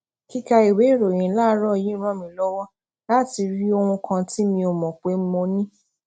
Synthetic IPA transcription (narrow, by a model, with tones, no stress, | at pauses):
ki˦ka˧i˨we˨˦˨ɾõ˨ĩ˨˦la˦˧˦ɾɔ˦˨jĩ˨˦ɾ̃ɔ̃˦˨mĩ˨˧lɔ˦wɔ˦ | la˦ti˧ɾi˦o˧w̃ũ˧kʰã˧ti˦mĩ˧o˨mɔ̃˨k͡pe˨˦m̩˦mõ˧nĩ˦